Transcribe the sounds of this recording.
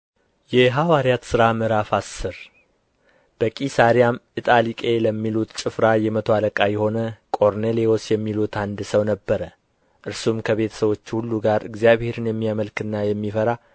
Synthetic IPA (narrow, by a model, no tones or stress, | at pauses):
jɛɦawaɾjat̪sɨɾamɨɾafasːɨɾ | b̥əkʼisaɾijamɨt̪ʼalikʼe̞ləmːilut̪t͡ʃʼɨfɾajɛmət̪ʰoaləkʼajɛho̞nəkʼo̞ɾnelio̞sjɛmːilut̪ʰand̪ɨsəwnəbːəɾə | ʔɨɾsumkʰəβe̞t̪ʰə̥səβwo̞t͡ʃːhulːuɡaɾɨ̰ɡzijaβhe̞ɾɨnjɛmːijaməlkɨnːajɛmːifəɾa